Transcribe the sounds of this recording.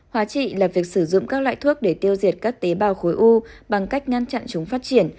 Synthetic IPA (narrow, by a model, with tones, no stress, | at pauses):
hwaː˨˦t͡ɕḭ˧˨laː˨˩vi˨˩ək̚sɨ˧˩zʊ̰˧˨ŋ͡mkaː˦˥k̚lwa̰ː˧˨jt̪ʰu˦˥ək̚ɗe˧˩t̪i˧əwzi˨˩ət̚kaː˦˥k̚t̪e˨˦ɓaː˨˩wxo˨˦jʔu˧ɓa˨˩ŋka˦˥jk̟̚ŋa˧nt͡ɕa̰˧˨nt͡ɕʊ˨˦ŋ͡mfaː˦˥t̚t͡ɕi˧˩ən